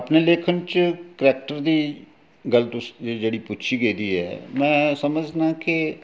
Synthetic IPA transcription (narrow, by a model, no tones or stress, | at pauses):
əpneːleːkʰənt͡ʃkɾɛːk̚ʈəɾd̪iː | ɡəlt̪ʊsd͡ʒeːɽiːpʊtːʃʰiːɡeiːd̪iːɛ̰ːmɛ̃ːsəməd͡ʒd̪ãːkɪ